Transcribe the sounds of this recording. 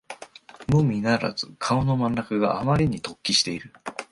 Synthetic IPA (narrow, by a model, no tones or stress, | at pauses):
mɯ̟mʲinaɾa̰z̥ɨkʰaono̞mãnːakɯ̟ɡaʔːmaɾʲiɲ̟it̪o̞kʲːiɕi̥t̪e̞iɾɯ̟